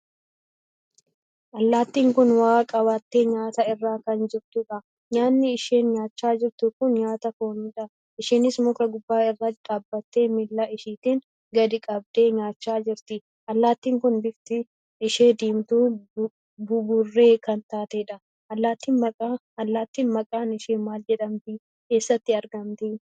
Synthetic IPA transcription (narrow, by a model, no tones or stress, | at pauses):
ʔɐlːaːt̪ːiːŋkʊnwaːkʼɐβaːt̪ːeːɲaːt̪ɐɪrːaːkɐnd͡ʒɪɾt̪ʊᶑɐ | ɲaːnːɪɪʃe̞ːnɲaːt͡ʃːaːd͡ʒɪɾt̪ʊkʊnɲaːt̪ɐfoːnɪᶑɐ | ʔɪʃiːnɪsmʊkɐɡʊbːaːɪrːɐkʼɐbːɐt̪ːeːmɪlːɐʔɪʃiːt̪iːn | ɡɐd̪ɪkʼɐb̚d̪e̞ːɲaːt͡ʃːaːd͡ʒɪɾt̪ɪ | ʔɐlːaːt̪ːiːŋkʊnbɪft̪ɪ | ɪʃeːd̪iːmt̪uː | bʊbʊrːe̞ːkɐnt̪aːt̪eːᶑɐ | ʔɐlːaːt̪ːiːnmɐkʼa | ɐlːaːt̪ːiːnmɐkʼaːnɪʃeːnmaːld͡ʒɛᶑɐmbɪ | keːsːɐt̪ːɪɐɾɡɐmt̪ɪ